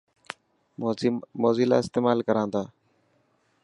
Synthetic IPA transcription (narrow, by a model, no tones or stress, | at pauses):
moːziːla̰ːɪst̪eːmaːlkəɾãːnd̪aː